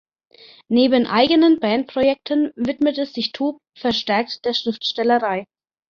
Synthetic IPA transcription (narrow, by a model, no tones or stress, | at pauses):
neːbənʔa̰ɪɡənənbɛːnt̚pʁ̥ojɛk̚tʰənvɪtmətɛsz̥ɪçtʰoːp̚ | fɛɐʃtɛɐk̚td̥eːɐʃʁ̥ɪftʃtɛləʁaɪ